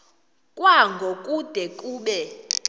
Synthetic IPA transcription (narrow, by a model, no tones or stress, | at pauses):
kʼwaŋɡʱokʼud̥ʱɛkʼuːɓɛ